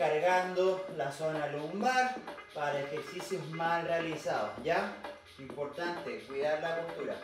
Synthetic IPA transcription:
kaɾɣand̪olasonalummaɾpaɾaekeksisjohmasrealisaðo̰ja | impoɾt̪ant̪ekwiðaɾlakult̪uɾa̰

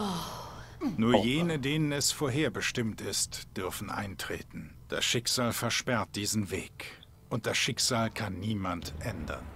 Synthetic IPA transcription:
nuːɐjeːnədeːnənɛsfoːɐɦeːɐbəʃtɪmtɪstd̥ʏɐfn̩ʔa̰ɪntʁ̥ḛːtn̩ | d̥a̰sʃɪkz̥aːlfɛɐʃpɛɐt̚d̥iːzn̩vḛːk | ʔʊnt̚d̥asʃɪkz̥aːlkʰanːiːmantʔɛndɐ̰n

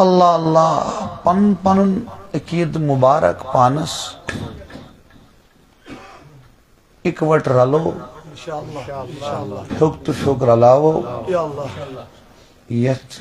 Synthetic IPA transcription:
ɐlːaːɐlːaːpɐnpɐnunɐkiːd̪mubaːɾɐ̰kpaːnɐs | ikʋɐʈɾɐloː | ʃokt̪uʃoːkɾɐlaːʋoː | jɐt̪

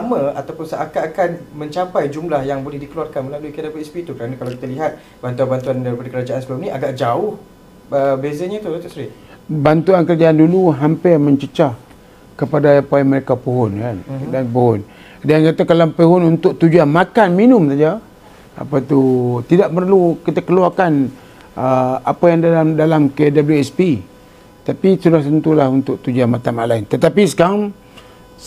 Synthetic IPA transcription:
samə̃at̪awpʊnsaʔakakanmə̃ɲt͡ʃapajd͡ʒumlahjaŋbolɛhdikəluarkanməlaluikadapat̪ispit̪ukəɾanakalawki̥t̪aliɦat̪̚ | bant̪uanbant̪uandaɾipadakəɾad͡ʒaʔansəbəlumnĩaɡaʔd͡ʒaʊh | əbezəɲãt̪udat̪uʔsɾiʔ | bant̪uankəɾad͡ʒaanduluɦampɪrmə̃ɲt͡ʃət͡ʃah | kəpadaapaiməɾekapəɦʊnkandanpəɦʊn | dankat̪akalapəɦʊnunt̪ʊk̚t̪ud͡ʒuanmakanminʊmsad͡ʒa | a̰pat̪ut̪idaʔpərlukit̪akəluakan | əapajaŋdalamdalamkedabəljuɛspi | t̪apisudaht̪ənt̪ulahunt̪ʊkʔ̚t̪ud͡ʒuanmat̪amalaɪnt̪ət̪apisə̥kaaŋ

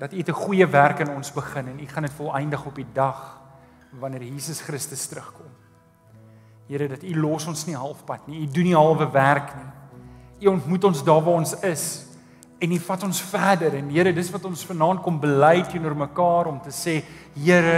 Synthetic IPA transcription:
d̥ɐtitəχujəværkənɔnsbəχənɛniχɐnətfɔlˠɛjndəχɔpidɐχ | vɐnərjiːsəsχɾəstəstɾəχkɔm | ɦəɾədɐtilɔsɔnsniɦɐlˠfpɐtniiduniɦɐlˠvəværkni | iɔntmutɔnsdɑːvɑːɔnsəs | ɛnifɐtɔnsfæːdəɾɛnɦiəɾədətsvɐtɔnsfənɑːnt̚kɔmbəlɛjtinuərməkɑːɾɔmtəseːɦiəɾə

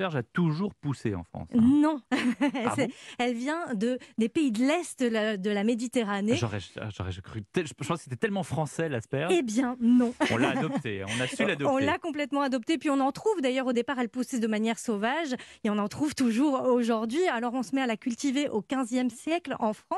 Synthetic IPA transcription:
pɛʁʒat̪uʒuʁpuseɑ̰̃fχɑ̰̃snɔ̃ | sɛɛlvjɛ̃d̪əd̪epeid̪əlɛst̪d̪əlamed̪it̪eʁaneʒɔʁɛ̰ʒɔ̰ʁɛ̰ʒakχyt̪ɛʒəpɑ̃skəset̪ɛt̪ɛlmɑ̃fχɑ̃sɛlaspɛʁebjɛ̃nɔ̃ɔ̃ladɔp̚t̪ẽɔ̰̃naylad̪ɔɔ̃llakɔ̃plɛt̪mɑ̃ad̪ɔp̚t̪epɥiɔ̃nɑ̃t̪χuvd̪ajœʁod̪epaʁɛlpusɛd̪əmanjɛʁsovaʒeɔ̃nɑ̃t̪χuvt̪uʒuʁoʒuʁd̪ɥialɔʁɔ̃səmɛalakʲylt̪iveʔokʲɛ̃zjɛmsjɛklɑ̃fχɑ̃s

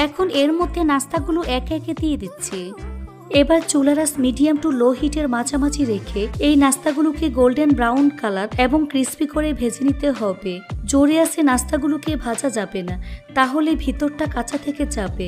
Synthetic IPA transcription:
ɛkʰoneɾmod̪ʱːenast̪aɡuluʔɛkɛket̪ijed̪it̪ːɕʰe | ebaɾt͡ɕulaɾasmiɖiamʈuloɦiʈeɾmad͡ʑamad͡ʑiɾekʰeejnast̪aɡulukeɡolɖenbɾawnkalaɾeboŋkɾispikoɾebʱed͡ʑenit̪eɦɔbed͡ʑoɾeaʃenast̪aɡulukebʱad͡ʑad͡ʑabenat̪aɦolebʱit̪oɾʈakat͡ɕʰat̪ʰeked͡ʑabe

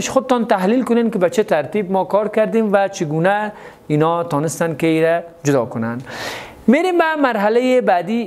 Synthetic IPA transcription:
ɪʃxʊd̪ɪt̪ɔnt̪aɦlilkʊnenkɪbat͡ʃɪt̪aɾt̪ibmɔkɔɾkaɾd̪emvat͡ʃʰɪɡuna | inɔt̪ɔnɪst̪ankeɾad͡ʒʊd̪ɒ̰kʊna̰n | meɾembamaɾɦalajebad̪i

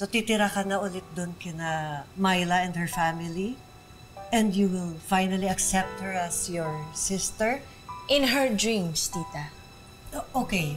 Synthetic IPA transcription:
sot̪it̪ɪɾakɐnɐʔʊlɪt̪̚d̪ʊnkɪnamajlɐɛ̃nd̪hɛɹfamɪli | ʔɛ̃nd̪juwɪlfajnɐliɐksɛp̚t̪̚hɛɹɐsjɔɹsɪst̪ɛɹ | ʔɪ̃nɦɛɹd̪ɹĩmst̪iːt̪ɐ | oʔokej

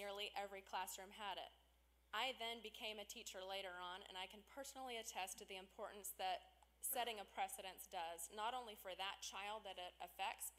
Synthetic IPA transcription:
ɪɹliʔɛvɹikʰl̥æsɹʉ̃məɾɪ̰t̚ | ʔaɪðɨ̃nbɨkʰẽɪ̃mɨtʰit͡ʃə˞leɪɾə˞ə̃nɨ̰̃naɪkʰɨ̃npʰɜ˞sn̩l̩ˠiɨtʰɛstɨðiɨ̃mpʰɔɹʔn̩sðɨt̚ | sɛɾɪ̃ŋɨpʰɹ̥ɛsɨɾɨ̃nsd̥ʌznəɾõʊ̃nlifə˞ðɨt̚t͡ʃʰaɪlˠd̪̚ðɨɾɪɾɨfɛk̚ts

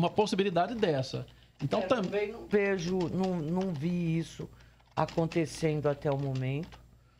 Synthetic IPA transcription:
umɐposibilid̪ad͡ʒɪd̪ɛsɐ̰ | ẽnt̪ɐ̃w̃t̪ɐ̃ẽj̃nɐ̃veʒʊnɐ̃w̃nɐ̃w̃viisʊ | a̰kõnt̪esẽnd̪ʊat̪ɛʊmõmẽnt̪ʊ̥

